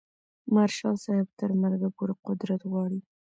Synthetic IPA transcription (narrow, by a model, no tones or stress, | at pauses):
maɾʃɑsɑhɪb̚t̪əɾmaɾɡapoɾaqʊd̪ɾat̪ɣwɑɽi